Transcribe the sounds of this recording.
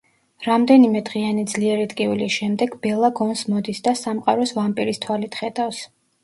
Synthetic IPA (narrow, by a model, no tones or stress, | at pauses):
ɾamd̪ɛnimɛd̪ʁianid̪zliɛɾit̪ʼkʼivilisʃɛmd̪ɛɡbɛlˠaɡɔnsmɔd̪isd̪asamqʼa̰ɾɔsvampʼiɾist̪ʰwalit̪ʰχɛd̪afs